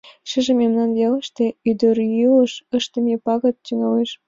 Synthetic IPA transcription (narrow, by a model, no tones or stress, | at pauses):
ʃəʒĕmemnɑnjɑlə̆ʃt̪ĕyd̪ørjuəʃə̆ʃt̪ə̆mepɑɣɤ̆t̪̚t͡ɕyŋɑleʃ